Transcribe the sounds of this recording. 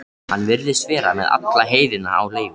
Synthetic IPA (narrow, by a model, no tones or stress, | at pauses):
hanːvɪɾðɪsvɛːɾamɛ̰ða̰t̪laɦeːjðɪnːa̰a̰wleːjvɪ